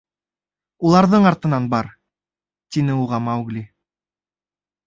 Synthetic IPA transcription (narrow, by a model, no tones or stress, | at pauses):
ulˠɑɾðɤɴɑɾt̪ɤ̆nɑnbɑɾ | t̪inɘuʁɑmawɡlʲi